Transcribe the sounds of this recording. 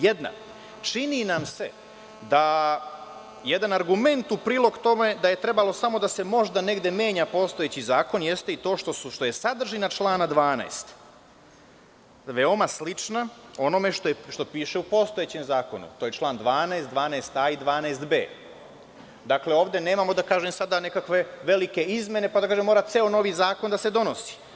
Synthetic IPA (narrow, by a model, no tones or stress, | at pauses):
jed̪na̰ | t͡ʃininamse̞ | d̪a | jed̪anaɾɡume̞nt̪upɾiːlˠo̞ɡt̪o̞me̞d̪aje̞t̪ɾe̞balo̞samo̞d̪ase̞mo̞ʒd̪ane̞ɡd̪e̞mje̞ːɲapo̞st̪o̞et͡ɕizaːko̞njest̪e̞it̪o̞ːʃt̪ouʃt̪o̞je̞sad̪r̩ʒinat͡ʃlˠaːnad̪ʋaːna̰est̪ | ʋe̞o̞maslit͡ʃnao̞no̞me̞ʃt̪oeʃt̪o̞piːʃeupo̞st̪o̞jet͡ɕemzaːko̞nṵt̪oːje̞t͡ʃlˠaːnd̪ʋaːnaest̪d̪ʋaːneːst̪aːid̪ʋaːneːst̪bḛː | d̪akle̞o̞ːʋd̪e̞ne̞ːmamo̞d̪akaːʒemsad̪ane̞kakʋe̞ʋe̞like̞izmje̞ne̞pad̪akaːʒemoːɾat̪seo̞no̞ʋizaːko̞nd̪ase̞d̪o̞nosi̥